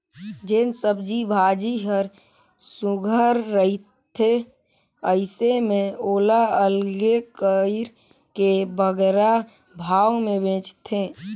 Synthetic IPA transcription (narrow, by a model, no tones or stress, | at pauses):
d͡ʒensəbd͡ʒibʱaːd͡ʒiɦəɾ | sʊɡʱəɾːəɦit̪ʰːe | əɪsemẽoːlaəlɡekəɪɾ | kebəɡɾa | bʱaːwmẽbʱẽːt͡ʃt̪ʰe